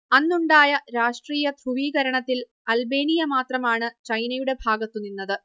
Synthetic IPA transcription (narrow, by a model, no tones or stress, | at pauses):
ɐnːuɳɖaːjɐɾaːʂʈriːjɐd̪ruʋiːɣɐɾɐɳɐt̪ːil | ɐlbe̞ːnijɐmaːt̪rɐmaːɳɨt͡ɕɐjnɐjuɽe̞bʱaːɡɐt̪ːunːinːɐðɨ